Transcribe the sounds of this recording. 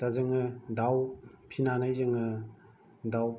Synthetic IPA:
tazɯŋɯdawpʰinanajzɯŋɯ | daw

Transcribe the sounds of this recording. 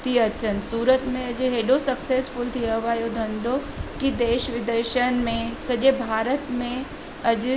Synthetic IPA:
t̪iɐt͡ʃənsuːɾət̪mẽɐd͡ʒɦeːɖosɐksesfʊlt̪ʰiəʋaːjod̪ʱɐ̃nd̪o | kid̪eːʃʋɪd̪əɾʃəñmẽsɐʄebʱaːɾət̪mẽ | ɐd͡ʒ

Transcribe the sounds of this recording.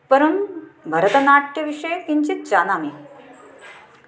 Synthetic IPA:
pəɾunbʱəɾət̪ənaʈ̚keʋiʂəjkiɲt͡ɕit̪̚t͡ɕanami

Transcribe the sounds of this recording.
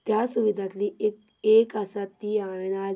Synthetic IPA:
t̪jasuʋid̪ʱat̪lie | eːkasat̪ːiaːenaː

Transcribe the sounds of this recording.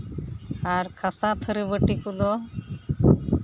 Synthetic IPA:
aɾkʰasat̪ʰəɾəbəʈikud̪ɔ

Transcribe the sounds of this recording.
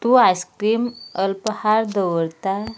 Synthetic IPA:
t̪uajskɾiːməlpəhaɾd̪əwəɾt̪a

